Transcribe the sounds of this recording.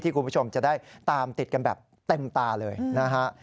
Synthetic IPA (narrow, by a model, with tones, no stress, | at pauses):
t̪ʰiː˥˩ku˧pʰu˥˩o˧mt͡ɕa˨˩ʔda˥˩jt̪aː˧mt̪i˨˩t̪̚ka˧nbɛ̰ː˨˩p̚ | t̪e˧mt̪aː˧lɤː˧jna˦˥kʰa˦˥ʔ